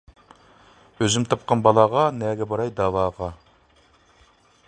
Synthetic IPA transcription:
øzymt̪ʰɑp̚qɑnbɑlˠɑʁɑnɛːɡʲɛbɑɾɑjd̪ɑːwɑːʁɑ

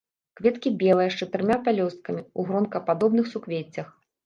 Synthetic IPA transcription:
kvʲɛt̪kʲibʲɛlˠɐjɐʂt͡ʂɐt̪ɨɾɨmʲapʲalʲɔst̪̚kɐmʲiuɣɾɔnkɐpad̪ɔbnɨxsukvʲet͡sʲːɐx

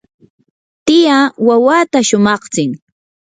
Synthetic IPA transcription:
t̪ɪjawawaːt̪aʃʊmɑχt͡sɪŋ

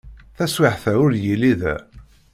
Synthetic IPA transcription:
θæswaħθæʊɾjiliðæ̰

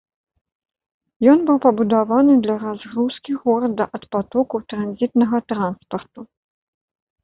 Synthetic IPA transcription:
jɔnbɨwpɐbud̪avanɨd̪lʲɐɾazɣɾuskʲiɣɔɾɐd̪ːɐʔɐt̪pat̪ɔkut̪ɾanzʲit̪nɐɣɐt̪ɾanspɐrt̪u

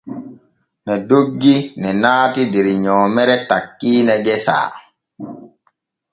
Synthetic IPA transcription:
nɛdoɡːinɛnaːtideɾiɲɔːmɛɾɛtakːiːnɛɡɛsa̰ː

